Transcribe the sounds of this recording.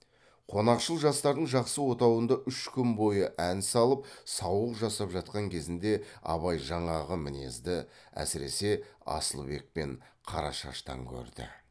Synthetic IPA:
qʰo̞nɑqʃəlˠʒɑst̪ɑɾd̪əɴʒɑqsəwo̞t̪ɑwənd̪ɑʔʏʃkʲʏmbo̞jəʔænsɑlˠəp̚sɑwəqʒɑsɑpʒɑt̪̚qɑŋkʲʰe̞zɪnd̪e̞ɑ̰βɑjʒɑɴɑʁəmɪne̞̰zd̪ɪæ̰sɪɾe̞se̞ɑ̰səlˠbe̞k̚pe̞ɴqʰɑ̰ɾɑ̰ʃɑ̰ʃt̪ɑ̰ŋkʲʰɵ̰ɾd̪ɪ̰

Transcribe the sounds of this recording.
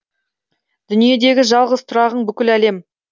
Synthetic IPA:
d̪̥ʏnije̞d̪e̞ɡʲɪʒɑlˠʁəzt̪ʰʊɾɑʁəɴbʏkʲɪlæle̞m

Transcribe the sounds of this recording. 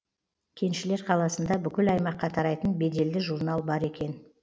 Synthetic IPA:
kʲʰe̞nʃɪle̞ɾqʰɑlˠɑsənd̪ɑbʏkʲɪlɑjmɑqːɑt̪ʰɑɾɑjt̪ənbe̞d̪e̞ld̪ɪʒuɾnɑlˠbɑɾe̞kʲe̞n

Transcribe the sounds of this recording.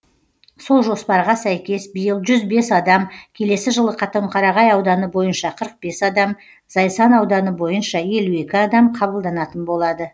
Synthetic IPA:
so̞lˠʒo̞spɑɾʁɑsæjkʲe̞sbijəlˠʒʏzbe̞sɑd̪ɑmkʲʰe̞le̞sɪʒəlˠəqʰɑt̪əəmqʰɑɾɑʁɑjɑwd̪ɑnəbo̞jənʃɑqʰəɾəq̚be̞sɑd̪ɑm | zɑjsɑnɑwd̪ɑnəbo̞jənʃɑje̞lue̞kʲɪɑd̪ɑmqʰɑβəlˠd̪ɑnɑt̪ənbo̞lˠɑd̪ə

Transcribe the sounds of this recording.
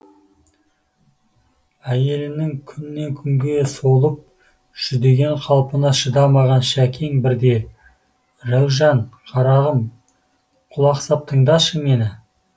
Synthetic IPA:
æje̞lɪnɪŋkʲʰʏnːe̞ŋkʲʰʏŋɡʲe̞solˠəp̚ | ʒ̥ʏd̪e̞ɡʲe̞ɴqʰɑlˠpənɑʃəd̪ɑmɑʁɑnʃækʲʰeŋbɪɾd̪e̞ | ɾæwʒɑɴqʰɑɾɑʁəm | qʰʊlˠɑqsɑp̚t̪ʰəɴd̪ɑʃəme̞nɪ

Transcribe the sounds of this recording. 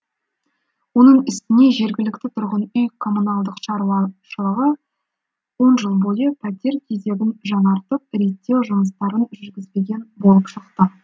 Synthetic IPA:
wo̞nəɴɪst̪ɪne̞ʒe̞ɾɡʲɪlɪkt̪ɪt̪ʰʊɾʁənʏjkʰo̞munɑlˠd̪əqʃɑɾuwɑʃəlˠəʁə | wo̞nʒəlˠbo̞jəpʰæt̪ʲe̞ɾkʲʰeze̞ɡʲɪnʒɑnɑɾt̪əp̚ɾe̞t̪ːe̞wʒʊməst̪ɑɾənʒʏɾɡʲɪzbe̞ɡʲe̞nbo̞lˠəpʃəqt̪ə

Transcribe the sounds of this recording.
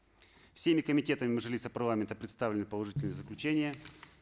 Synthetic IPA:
fsʲemʲɪkəmʲɪtʲe̞t̪əmʲɪmɨʐɨlʲisəpɐrlˠamʲɪnt̪əpɾʲɪt̪st̪avlɪnɨpəlˠɐʐɨtʲɪlʲnɨjəzəklʲʉt͡ɕenʲɪjə

